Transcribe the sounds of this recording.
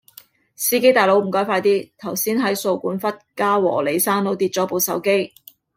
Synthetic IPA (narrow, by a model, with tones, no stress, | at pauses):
siː˥ke˥jt̪aː˨jlo˨˥wm̩˨˩kɔː˨˥jfaː˧jt̪iː˥t̪ʰɐ˨˩wsiː˥nɦɐ˨˥jso˧wkuː˨˥nfɐ˥t̚kaː˥wɔ̰ː˨˩le˨˩jsaː˥nno˨˥wt̪iː˧t̚t͡sɔː˨˥po˨˧wsɐ˨˥wke˥j